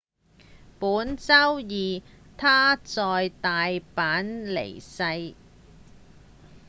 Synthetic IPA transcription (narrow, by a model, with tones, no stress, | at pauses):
puː˨˥nt͡sɐ˥wjiː˨˩ | t̪ʰaː˥t͡sɔː˧jt̪aː˨jpaː˨˥nlḛ˨˩jsɐ˧j